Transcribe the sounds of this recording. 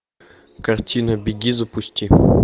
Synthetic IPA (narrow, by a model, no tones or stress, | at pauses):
kɐrtʲʰinɐbʲɪɡʲizɐpʊsʲtʲi